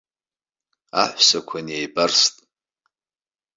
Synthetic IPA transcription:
a̰ħʷsakʷʰanjajbarstʼ

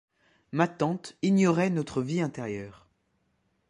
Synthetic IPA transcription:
mat̪ɑ̃t̪injɔʁɛnɔt̪χəviɛ̃t̪ɛʁjœːʁ

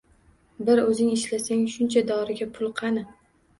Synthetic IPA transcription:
bɪɾɵzɪŋɪʃlasaŋʃʊnt͡ʃʰad̪ɒɾɪɡʲapʰʊlˠqʰɑnɪ

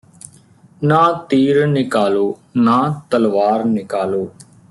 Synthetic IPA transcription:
nãːt̪iːɾnɪkaːloːnãːt̪əlʋaːɾnɪkaːloː

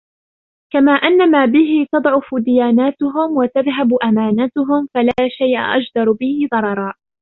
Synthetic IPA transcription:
kamaːʔanːamaːbɪɦɪt̪ɑd̪ˤʕʊfd̪ɪjaːnaːt̪ʊɦʊmwat̪aðɦabʔamaːnat̪ʊɦʊmfalaːʃajʔa̰ʔad͡ʒd̪ɑɾˤbɪhɪðˤɑɾˤɑɾˤɑː

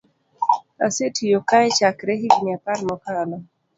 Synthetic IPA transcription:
a̰setʰijokaɛt͡ʃakɾɛɦiɡnɪapaɾmɔkalɔ

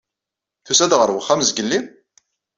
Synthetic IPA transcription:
θusæd̪ʁəɾˤwəχːæmzɡəlːim

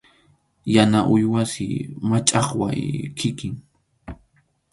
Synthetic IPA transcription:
janaʔʊjwasɪ̰mat͡ʃʼɑχwa̰jkʰɪkɪŋ

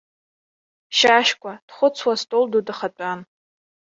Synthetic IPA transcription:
ʃaʃkʷʼad̥χʷʊt͡sʰwastʼoldudɨχat͡pʷʼan

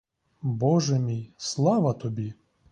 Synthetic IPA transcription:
bɔʒɛmʲijslˠɑʋɐt̪ɔbʲi

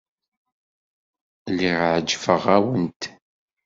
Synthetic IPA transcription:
liʁʕəd͡ʒfəʁæwənt̪

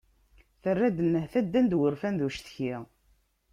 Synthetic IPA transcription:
θərːæd̪ənːəhθæd̪ːænd̪wəɾfænðuʃθçi

